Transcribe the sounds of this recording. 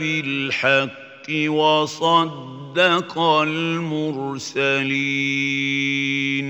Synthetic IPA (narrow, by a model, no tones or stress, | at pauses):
bɪlħaqːɪwɑsˤɑd̪ːɑqɑlmʊɾsaliː | n